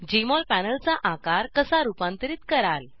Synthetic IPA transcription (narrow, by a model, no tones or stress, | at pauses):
d͡ʑemɔlpænəlt͡saʔakaɾkəsaɾupãnt̪əɾiːt̪kəɾal